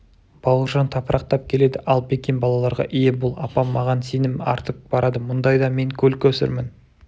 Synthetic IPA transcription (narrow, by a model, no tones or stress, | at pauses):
b̥ɑw̪ˠəʁʒɑnt̪ʰɑpəɾʔɑq̚t̪ɑp̚kʲʰe̞le̞d̪ɪʔɑlˠpʰe̞kʲenbɑlˠɑlˠɑɾʁɑ̰ʔijebʊlˠɑ̰pɑmːɑʁɑnse̞nɪmɑ̰ɾt̪əq̚bɑɾɑd̪əmʊnd̪ɑjd̪ɑme̞ŋkʲʰɵlkʲʰɵsɪ̰ɾmɪn